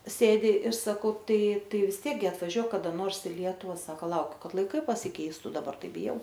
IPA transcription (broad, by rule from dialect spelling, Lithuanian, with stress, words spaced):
ˈsʲeːdʲɪ ɪr sɐˈkɐʊ ˈtɐɪ ˈtɐɪ ʋʲɪs ˈtʲiɛk ɡʲɪ ɐtʋɐˈʒʲuɔk kɐˈdɐ ˈnoːrs ɪ ˈlʲiɛtʊʋɐ ˈsɑːkɐ ˈlˠɐʊkʲʊ ˈkɐt lˠɐɪˈkɐɪ pɐsʲɪˈkʲɛɪstʊ dɐˈbɐr ˈtɐɪ bʲɪˈjɛʊ